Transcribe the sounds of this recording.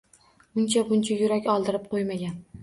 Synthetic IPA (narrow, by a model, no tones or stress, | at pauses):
ʊnt͡ʃʰabʊnt͡ʃʰajʊɾakʲɒlˠd̪ɪɾɪp̚qʰojmaɡʲan